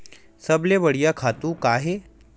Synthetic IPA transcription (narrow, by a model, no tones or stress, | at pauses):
sɐbleʋɐɽ̤ijakʰaːt̪ũkaːɦe